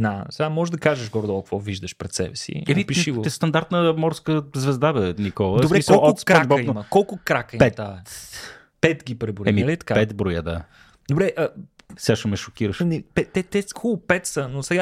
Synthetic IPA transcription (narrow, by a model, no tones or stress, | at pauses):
d̪asɛɡamɔʒd̪ɐkaʒəʃɡɔɾd̪olˠəkvɔviʒd̪əʃpɾɛt̪sɛ̰bɛsḭɛmipiʃiɡost̪ɐnd̪aɾt̪nəmɔɾskəzvɛzd̪abɛnikɔlˠəd̪obɾɛisɔlˠɔʊskɾabɔəinməkɔlˠkʊkɾakəipɛt̪a | pɛt̪ɡʲipɾɛboɾɛmilit̪ɐkapɛt̪bɾujad̪a̰ | d̪obɾɛʔəsaʃomɛʃokiɾəʃnɛpɛt̪ɛt̪ɛxɔlˠʊpɛt̪sənosɛɡa